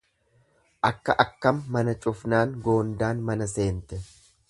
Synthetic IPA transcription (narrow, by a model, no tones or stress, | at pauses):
ʔɐkːɐʔɐkːɐmːɐnɐt͡ʃʼʊfnaːŋɡo̞ːnd̪aːnmɐnɐse̞ːnt̪ɛ